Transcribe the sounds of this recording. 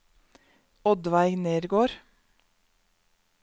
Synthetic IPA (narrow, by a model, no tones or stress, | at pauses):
ɔd̪ʋæɪneːɾɡoːɾ